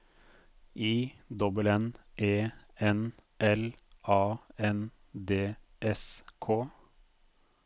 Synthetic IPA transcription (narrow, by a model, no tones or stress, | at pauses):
ʔiːd̪ɔbəlɛnʔeːɛnʔɛlʔɑːɛn | d̪eːʔɛskʰoː